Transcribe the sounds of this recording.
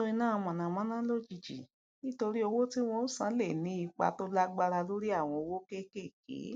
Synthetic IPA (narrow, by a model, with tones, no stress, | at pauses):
o˦i˧nãː˦˨˧mɔ̃˨nã˨mã˦nã˦lo˦d͡ʒi˧d͡ʒḭ˨ | nĩ˦to˧ɾi˦o˧wo˦ti˦w̃ɔ̃˧u˦sã˨˦le˦˨nĩ˨˦i˧k͡pa̰˧to˦la˦ɡ͡ba˧ɾa˧lo˦ɾi˦a˦˨w̃ɔ̃˧o˧wo˦ke˦ke˦˨kḛ˨˦